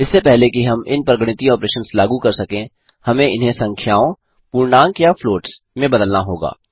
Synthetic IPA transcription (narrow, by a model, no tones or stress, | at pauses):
ɪsːepɛɦlekiɦɐmɪnpɾɐɡɽ̃ɪt̪iɔːpɾeːʃənslaːɡukɐɾsɐkẽ | hɐmẽɪnɦẽsɐ̃ŋkʰjaːõ | puːɾɳaːŋkjafloːʈs | mẽbɐd̪əlnaɦoːɡa̰ː